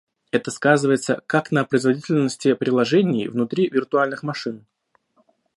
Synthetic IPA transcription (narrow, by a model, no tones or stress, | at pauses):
ɛt̪əskazɨvəjɪt̪sə̰kaknəpɾəɪzvɐdʲitʲɪlʲnəsʲtʲɪpɾʲɪlˠɐʐɛnʲɪjvnʊt̪ɾʲivʲɪrt̪ʊalʲnɨxmɐʂɨn